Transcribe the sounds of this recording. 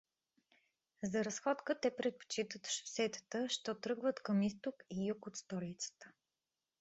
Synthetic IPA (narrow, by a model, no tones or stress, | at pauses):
zɐɾɐsxɔt̪kət̪ɛpɾɛt̪̚po̥t͡ʃit̪ət̪ʃfsɛt̪ə̥t̪əʃt̪ɔt̪ɾɤɡvət̪kəmist̪okijukot̪st̪ɔlit̪sə̥t̪ə̥